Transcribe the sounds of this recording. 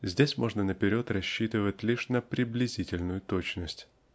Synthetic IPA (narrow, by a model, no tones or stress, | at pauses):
zʲdʲesʲmo̞ʐnənəpʲɪɾʲo̞t̪rɐɕːit̪ɨvətʲlʲiʂnəpɾʲɪblʲɪzʲitʲɪlʲnʊjʊt̪o̞t͡ɕnəsʲtʲ